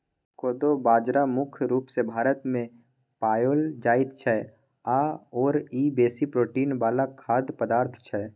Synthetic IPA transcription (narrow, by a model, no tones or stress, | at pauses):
koːd̪obaːd͡ʒɾamʊkʰɾuːpsebʱaːɾət̪mẽ | paːjoːld͡ʒaːɪt̪t͡ʃʰɛ | aːɔːɾiːbeːsipɾoːʈiːnʋaːlakʰaːd̪pəd̪aːɾt̪ʰt͡ʃʰɛː